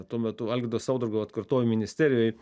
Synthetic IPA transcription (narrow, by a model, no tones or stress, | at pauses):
t̪uɔmʲɛt̪ʊɐlʲɡʲɪd̪ɐʋɐsɐʊd̪ɾʊɡɐɐt̪kɐrt̪oːjumʲɪnʲɪsʲt̪ʲæːɾʲɪjoːj